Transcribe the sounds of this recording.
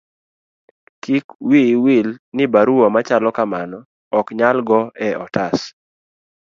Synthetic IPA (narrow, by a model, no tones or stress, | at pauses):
kikwiwilnɪbaɾuwɔmat͡ʃalɔkamanɔː | kɲalɡɔɛɔtas